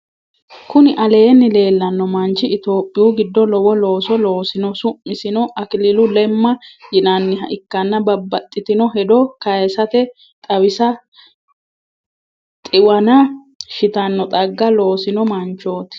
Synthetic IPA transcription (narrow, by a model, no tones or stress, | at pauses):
kʊnɪʔɐle̞ːnːɪle̞ːlːɐnːɔmɐnt͡ʃɪɪt̪o̞ːpʼːɪjuːɡɪd̪ːɔlɔwɔlo̞ːsɔlo̞ːsɪnɔsʊmːɪsɪnɔʔɐkɪlɪlʊlɛmːɐjɪnɐnːɪɦɐʔɪkːɐnːɐbɐbːɐt̪ʼːɪt̪ɪnɔɦɛd̪ɔkɐjɛsɐt̪ɛ | t̪ʼɐwɪsɐ | t̪ʼɪwɐnɐ | ʃɪt̪ɐnːɔt̪ʼɐɡːɐlo̞ːsɪnɔmɐnt͡ʃo̞ːt̪ɪ̥